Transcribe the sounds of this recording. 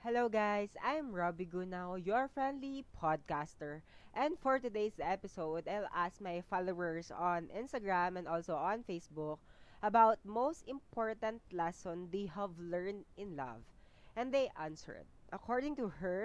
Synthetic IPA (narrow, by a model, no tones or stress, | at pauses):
hɛloʊɡajsãjmɹɔbiɡunawjuaɹfɹɛ̃nd̪lipʰɔd̪̚kast̪ɛɹʔɛ̃nd̪fɔɹt̪ʊd̪ejsɛpɪsowd̪ajlask̚majfalowəɹsɔ̃nʔɪ̃nst̪ɐɡɹãmɛ̃nd̪ɔlsowʔɔ̃nfejsbʊk̚ʔɐbawt̪̚mowst̪ɪ̃mpʰɔɹt̪ɐ̃nt̪lɛsɔ̃nd̪ejhɐvlɛɹnd̪ɪ̃nlʌ̰v | ʔɛ̃nd̪ejʔãnsə̰ɹd̪̚ʔɐkɔɹd̪ɪ̃ŋt̪uhɛɹ